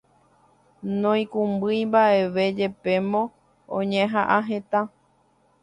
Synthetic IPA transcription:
nõĩkũmbɨjmbaʔe̞ʋe̞d͡ʒe̞pe̞mõ̞ | õ̰ɲẽɦaʔãɦe̞t̪ã

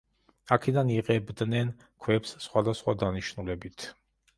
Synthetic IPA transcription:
akʰɛd̪aniʁɛbd̪nɛn | kʰwɛpssχwad̪asχwad̪aniʃnulɛbit̪ʰ

